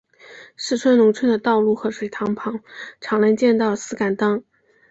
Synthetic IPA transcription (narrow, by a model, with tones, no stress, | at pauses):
ʂɻ̩˥˩ʈ͡ʂʰwə˥nʊ˧˥ŋt͡sʰə˥nd̪ə˨t̪ɑ˥˧ʊlu˥˩xɤ˧˥ʂwe˨˩ɪt̪ʰɑ˧˥ŋpʰɑ˧˥ŋʈ͡ʂʰɑ˧˥ŋla˧˥nt͡ɕjɛ˥˧nt̪ɑ˥˩ʊlsɹ̩˥ka˨˩nt̪ɑ˥ŋ